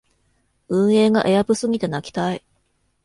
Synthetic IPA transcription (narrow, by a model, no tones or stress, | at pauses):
ɯ̟̃ɰ̃e̞ːɡaʔe̞jabɯ̟sɨɡʲit̪e̞nakʲi̥t̪ai